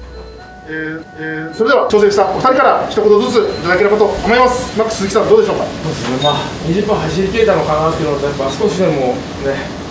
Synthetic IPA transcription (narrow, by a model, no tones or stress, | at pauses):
eː | so̞ɾed̪eat͡ɕo̞ːse̞ɕi̥t̪aofɯ̥t̪aɾʲikaɾakʲi̥t̪oko̞t̪o̞zɨt͡sɨit̪ad̪ake̞ɾɯ̟bat̪o̞kamoimasɨ̥ɯmakɯ̟̥t͡ssɨzɨki̥t̪and̪o̞ːd̪e̞ɕo̞ːkasoːd̪esɨne̞maː | ɲʲiʑɨpːãɦaɕ̬iɾʲikʲe̞ːt̪anokãnaask̪ʲeɾɯnot̪ojapːasɨ̥ko̞ɕid̪e̞mo̞ | ne̞